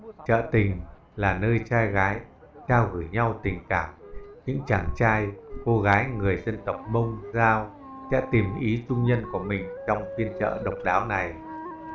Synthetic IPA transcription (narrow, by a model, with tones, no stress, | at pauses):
t͡ɕə̰ː˧˨t̪ï˨˩ŋ̟ | laː˨˩nəː˧jt͡ɕaː˧jɣaː˨˦j | t͡ɕaː˧wɣɨ˧˩jɲa˧wt̪ï˨˩ŋ̟kaː˧˩mɲɨ̰˧˥ŋt͡ɕaː˧˩ŋt͡ɕaː˧jko˧ɣaː˨˦jŋɨ˨˩əjzə˧nt̪ə˨˩wk͡p̚mə˧wŋ͡mzaː˧w | sɛ̰˧˥t̪i˨˩mʔi˨˦t͡ɕʊ˧ŋ͡mɲə˧nku˧˩əmï˨˩ŋ̟t͡ɕɔ˧wŋ͡mfi˧ənt͡ɕə̰ː˧˨ɗə˨˩wk͡p̚ɗaː˨˦wna˨˩j